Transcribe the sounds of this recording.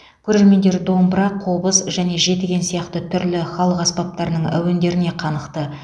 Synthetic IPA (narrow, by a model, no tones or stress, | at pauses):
kʲʰɵɾe̞ɾme̞nd̪e̞ɾd̪o̞mbəɾɑqʰo̞bəsʒæne̞ʒe̞t̪eɡʲe̞nsijɑqt̪ət̪ʰʏɾlɪχɑlˠəqɑspɑp̚t̪ɑɾənəɴæ̰wɪnd̪e̞ɾɪne̞qʰɑnəqt̪ə